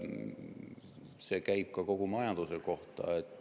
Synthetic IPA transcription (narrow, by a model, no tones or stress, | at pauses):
se̞ːkæjb̥̚kɑko̞ɡ̥umɑjɑnd̪̥useko̞ht̪ɑ̰et̪ːˑ